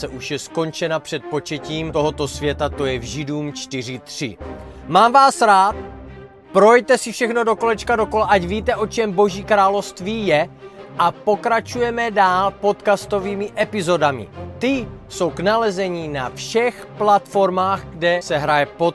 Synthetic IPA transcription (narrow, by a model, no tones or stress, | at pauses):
sɛʔuʃjɛsko̞nt͡ʃɛnapr̥ɛt̪̚po̞t͡ʃɛciːmt̪o̞ɦo̞t̪o̞svjɛt̪at̪o̞jɛvʒɪduːmt͡ʃt̪ɪr̝ɪt̪r̝̥ɪ̰maːmvaːsɾaːt̪̚ | pɾojjt̪ɛsɪfʃɛxno̞do̞ko̞lɛt͡ʃkado̞ko̞laʔacviːt̪ɛʔo̞t͡ʃɛmbo̞ʒiːkɾaːlofst̪viːjɛʔapo̞kɾat͡ʃujɛmɛdaːlpo̞t̪kast̪o̞viːmɪʔɛpɪzo̞damɪ̰t̪ɪ | so̞wknalɛzɛɲinafʃɛxplat̪fo̞ɾmaːxɡdɛsɛɦɾajɛpot̪